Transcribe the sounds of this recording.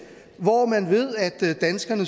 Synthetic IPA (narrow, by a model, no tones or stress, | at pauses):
ʋɒmænʋe̝ð̞̰ˠæd̥d̥ænsɡ̥ɐnə